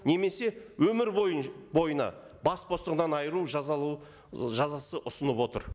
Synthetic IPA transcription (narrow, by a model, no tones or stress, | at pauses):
ne̞me̞se̞wɵmɪɾbojbo̞jənɑ̰ | bɑspʰo̞st̪əʁənɑnɑjəɾuʒɑ | ʒɑzɑsəʔʊsənəpwo̞t̪ə̰ɾ